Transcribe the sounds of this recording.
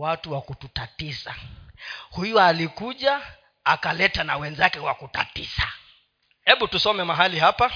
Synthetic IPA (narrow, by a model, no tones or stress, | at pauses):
watuwakututatisa̰ | hujɔalikuʄa | akalɛtanawɛnzakɛwa̰kuta̰tisa | hɛɓutusɔmɛmaɦaliɦapa